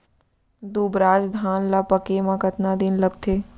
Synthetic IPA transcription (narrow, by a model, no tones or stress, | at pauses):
d̪uːbɾaːd͡ʒd̪ʱaːnlapəkemãkət̪nad̪ɪnləɡt̪ʰeː